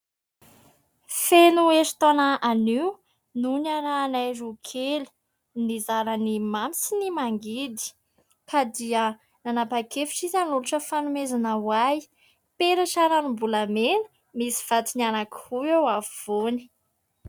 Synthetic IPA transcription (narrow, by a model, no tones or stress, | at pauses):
fenueɾi̥t̪onaaniw | nunananajɾukʰeli̥ | nizaɾənimamit͡sinimaŋɡid̪i̥ | kad̪iə | nanapakefi̥ʈ͡ʂizanuluʈ͡ʂəfanumezanəwaj | peɾaʈ͡ʂaɾanimbulamenə̥ | misi̥v̥at̪inianaki̥huewavv̥oni̥